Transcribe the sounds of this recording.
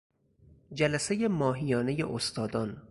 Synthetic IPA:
d͡ʒælæse̞jemɒːɦijɒːne̞je̞̰ʔost̪ʰɒːd̪ɒːn

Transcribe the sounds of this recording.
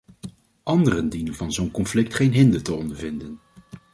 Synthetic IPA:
ʔɑndərəndinənvɑnzownkɔnflɪktχejnɦɪndətəɔndəɹvɪndən

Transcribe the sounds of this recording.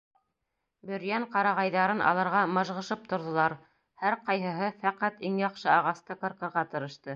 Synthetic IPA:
bɵ̆ɾjæɴqɑɾɑʁɑjðɑɾɤnʔɑ̰lˠɑɾʁɑmɤ̆ʒʁɤ̆ʃɤp̚t̪ŏɾðŏlˠɑɾ | hæɾqɑjɦɤ̆ɦɤfæqæt̪iŋjɑqʃɤɑʁɑst̪ɤkɤ̆ɾkɤ̆ɾʁɑt̪ɤ̆ɾɤ̆ʃt̪ɤ

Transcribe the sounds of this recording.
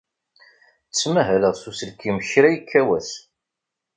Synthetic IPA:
t͡sːmæɦæləʁsusəlkːiməçɾæjikʰːæwæs

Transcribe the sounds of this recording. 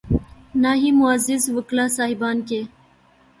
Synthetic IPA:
naːɦimuazizwəklaːsaːɦibaːnke

